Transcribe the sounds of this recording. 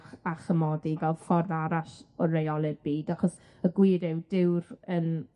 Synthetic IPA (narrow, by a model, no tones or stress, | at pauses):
χaχəmɔdivɛlˠd̥fɔrðaɾaʃɔrejɔlˠɪrb̥iːdaχɔs | əɡwɪːɾɪwdɪwrən